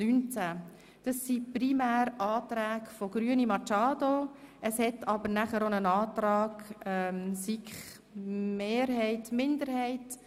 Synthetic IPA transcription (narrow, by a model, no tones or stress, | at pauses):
nynt͡sæ | d̥ɑsːiprimæːɾɑːtɾæːkfɔɡ̥ɾyənimɑt͡ʃɑːdoəshɛtʰɑbəɾnæχəɾonənɑːtɾɑːɡ̥ɛmsikχ | meːɾhɛɪtmɪndəɾhɛɪt